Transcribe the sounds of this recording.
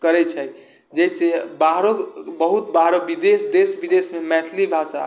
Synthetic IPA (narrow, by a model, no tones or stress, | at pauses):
kəɾɛt͡ʃʰəj | d͡ʒɛisebaɦɾobəɦut̪baɦɾobid̪esd̪esbid̪esmemɛʈʰlibʱasa̰